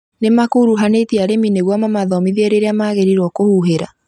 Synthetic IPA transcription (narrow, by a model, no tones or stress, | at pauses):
nemakoɾuɦanetiaɾemineɣwamamaðɔmiðiɛɾeɾeamaɣeɾiɾwɔkohuɦeɾa̰